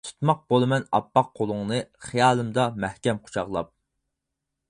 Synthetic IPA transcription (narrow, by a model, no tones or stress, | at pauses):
t̪ʰu̥t̪mɑq̚b̥olˠɨmɛnɑ̰pːɑqʰːolˠʊŋnɨχijɑːlˠɨmd̪ɑmæhkʲɛmqʰʊ̥t͡ʃʰɑʁlˠɑ̰p̚